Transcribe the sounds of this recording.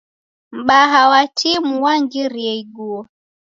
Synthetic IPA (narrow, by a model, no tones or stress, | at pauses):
m̩ɓaɦawatʰimuwaŋɡiɾiɛiɡuɔ